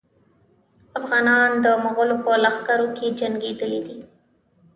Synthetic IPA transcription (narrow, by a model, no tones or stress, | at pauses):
afɣɑnɑnd̪əmʊɣəlopəlaxkaɾoked͡ʒaŋɡed̪əlid̪i